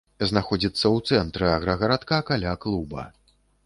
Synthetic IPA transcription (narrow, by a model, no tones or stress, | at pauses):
znaxɔd͡zʲit̪sːɐwt̪sɛnt̪ɾɨaɣɾɐɣɐɾat̪kakalʲaklˠubɐ̰